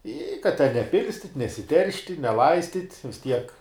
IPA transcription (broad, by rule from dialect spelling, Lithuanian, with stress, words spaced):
ɪ kɐt tʲɛn nʲɛˈpʲɪlʲsʲtʲɪtʲ nʲɛsʲɪˈtʲɛrʲʃʲtʲɪ nʲɛˈlˠɐɪsʲtʲɪtʲ ʋʲɪs ˈtʲiɛk